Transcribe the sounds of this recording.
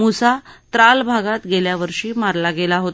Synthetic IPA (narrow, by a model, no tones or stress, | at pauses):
musat̪ɾalbʱaɡat̪ɡeljaʋəɾʂiːmaɾlaɡelaɦot̪